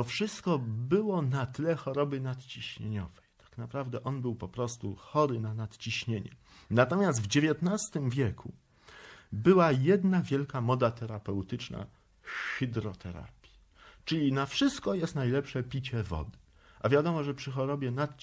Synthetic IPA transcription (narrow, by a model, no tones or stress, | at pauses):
t̪ɔfʂɘst̪kɔbɘwɔnat̪ɘlɛxɔɾɔbɘnat̪t͡ɕiɕɲeɲɔv̥ɛjt̪ʰḁknapɾavd̪ɛʔɔnbɘwpɔpɾɔst̪uxɔɾɘnanat̪t͡ɕiɕɲeɲɛ̰ | nat̪ɔmʲjast̪vd͡ʑevʲjɛt̪nast̪ɘmvʲjɛkʰu | bɘwajɛd̪navʲjɛlkamɔd̪at̪ɛɾapɛwt̪ɘt͡ʂna̰ | xɘd̪ɾɔt̪ʰɛɾa̰pʲji̥ | t͡ʂɘlʲinafʂɘst̪̚kɔjɛst̪najlɛpʂɛpʲit͡ɕɛvɔ̰d̪ɘ | ʔavʲjad̪ɔmɔʐɛpʂɘxɔɾɔbʲjɛnat̪̚